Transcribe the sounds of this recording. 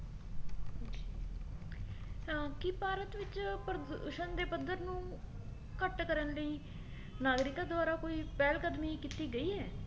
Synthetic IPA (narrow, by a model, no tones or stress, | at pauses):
kɪpaːɾət̪ʋɪt͡ʃpɾd̪ʃənd̪eːpəd̪əɾnũː | kəʈkəɾənləiː | naːɡɾɪkaːd̪ʊaːɾaːkoːiːpɛːlkəd̪miːkɪt̪iːɡəiːɦɛː